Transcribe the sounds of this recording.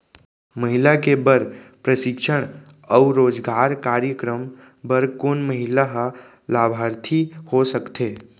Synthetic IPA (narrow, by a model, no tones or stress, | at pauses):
məɦɪlakebəɾpɾəʃɪkʃəɽ̃ | ɔʊɾoːd͡ʒɡaːɾkaːɾjəkɾəm | bəɾkoːnməɦɪlaɦa | laːbʱaːɾt̪ʰihosəkt̪ʰeː